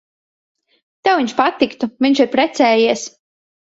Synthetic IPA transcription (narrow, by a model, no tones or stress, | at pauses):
t̪ɛwviɲʲt͡ʃʃpat̪ikt̪uvʲiɲʲt͡ʃiɾpɾɛt̪sɛːjiɛs